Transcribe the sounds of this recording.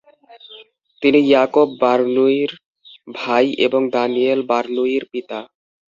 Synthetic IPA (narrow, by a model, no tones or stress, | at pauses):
t̪inijakobːaɾnuiɾ | bʱajʔeboŋd̪anielbaɾnuiɾpit̪a